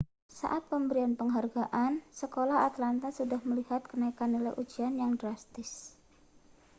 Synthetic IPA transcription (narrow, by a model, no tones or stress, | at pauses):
sa̰ʔat̪̚pəmbəɾianpəŋɦarɡaʔansəkolaɦat̪lant̪asudahməlihat̪̚kənaikanola̰ʔud͡ʒianjaŋdɾast̪ɪs